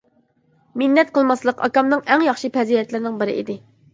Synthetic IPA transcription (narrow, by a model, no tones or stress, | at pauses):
mɪnːɛt̪̚qʰəlˠmɑslˠəqɑ̰kɑmnɨŋɛŋjɑχʃɨpʰɛziɛt̪lɪɾnɪŋbɪɾɪ̰ʔḭd̪ɪ